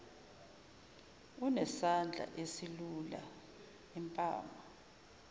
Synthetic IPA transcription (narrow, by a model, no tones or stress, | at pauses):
unɛsand͡ɮʱa̰ʔesilula̰ | impʼa̰ːma